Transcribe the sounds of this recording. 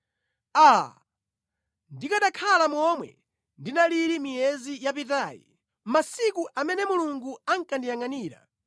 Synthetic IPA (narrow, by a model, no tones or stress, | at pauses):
a | ndikaɗakʰalamɔmwɛ̰ | ndinaliɾimiɛzijapitaːjḭ | masikuʔamɛnɛmuluŋɡuaŋkandijaŋaniːɾa̰